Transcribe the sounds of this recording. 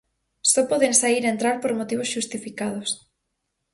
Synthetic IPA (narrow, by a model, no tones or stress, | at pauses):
sɔpɔðeŋsaiɾent̪ɾaɾpoɾmot̪iβosʃust̪ifikað̞os